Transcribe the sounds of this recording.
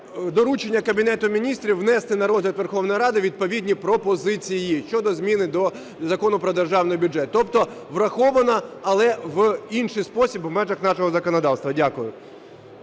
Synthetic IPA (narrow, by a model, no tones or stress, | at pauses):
d̪ɔɾut͡ʃenʲːɐkɐbʲinɛt̪ʊmʲinʲist̪ɾʲiwʋnɛst̪ɪnɐɾɔzɦlʲɐt̪ʋerxɔwnɔjɾɑd̪ɪʋʲid̪̚pɔʋʲidʲnʲipɾɔpɔzɪt͡sʲijijiʃt͡ʃɔd̪ɔzmʲinɪd̪ɔ | zɐkɔnʊpɾɔd̪erʒɑwnɔjbʲʊd͡ʒɛt̪ːɔpt̪ɔ | ʋrɐxɔʋɐnɐɐlˠɛʋinʃɪjspɔsʲibʋmɛʒɐxnɑʃɔɦɔzɐkɔnɔd̪ɑwst̪ʋɐdʲakʊjʊ